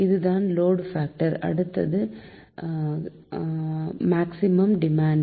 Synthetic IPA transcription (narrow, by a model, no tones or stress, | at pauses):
ɪðɯðaːnloːɖfaːk̚ʈɐɾɐ̰ɽɯt̪ːɐðɯ | maːksɪmɐmɖɪmaːɳ